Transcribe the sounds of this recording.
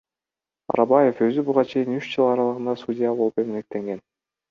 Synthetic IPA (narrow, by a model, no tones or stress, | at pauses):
ɑ̰ɾɑbɑje̞fø̞zybuʁɑt͡ʃʰe̞jinyt͡ʃd͡ʒɨlˠɑɾɑlˠɯʁɯnd̪ɑsudʲɪjabo̞lˠupe̞menek̚t̪e̞ŋɡe̞n